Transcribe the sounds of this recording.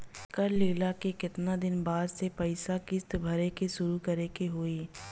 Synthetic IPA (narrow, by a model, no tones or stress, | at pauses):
kɐɾleːlakekɪt̪nad̪ɪnbaːd̪sepɐɪsakɪst̪bʱɐɾekeʃʊɾukɐɾekeɦoːiː